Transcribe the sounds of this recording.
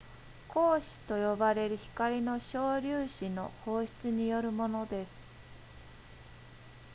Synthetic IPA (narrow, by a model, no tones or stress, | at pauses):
ko̞ːɕi̥t̪o̞jo̞baɾe̞ɾɯ̟çi̥kaɾʲino̞ɕo̞ːɾʲɨːɕino̞̰ho̞ːɕi̥t͡sɨɲ̟ijo̞ɾɯ̟mo̞no̞d̪e̞sɨ̥